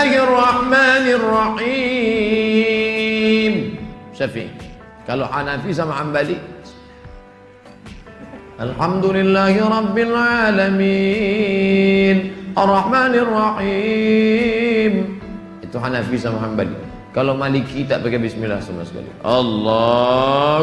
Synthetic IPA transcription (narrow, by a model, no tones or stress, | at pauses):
hrˤːɑħmaːnɪrˤːɑħi | msafḭ | kaloħanafis̬amahambali | ʔalħamd̪ulɪlːaːhiɾˤɑbːɪlʕalami | nʔɑrˤːɑħmaːnrˤːɑħi | m | it̪uħanafisamahamba̰lḭ | kalomalikit̪aʔpaɡabismila̰hsama̰sə̥ka̰lḭʔɑlːɑ